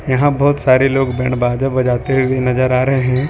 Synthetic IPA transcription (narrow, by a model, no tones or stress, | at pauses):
jɐɦãbɔɦːt̪saːɾeloːɡbɛ̰̃ːɳbaːd͡ʒəbɐd͡ʒaːt̪eɦiinɐzəɾaːɾɐɦeɦɛ̃ː